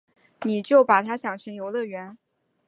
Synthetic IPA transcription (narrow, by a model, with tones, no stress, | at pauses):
ni˨˩t͡ɕjo˥˩ʊpa˨˩t̪ʰa˥ɕjɑ˨˩ŋɕʰə˧˥ŋjo˧˥ʊlɤ˥˧ɥɛ˧˥n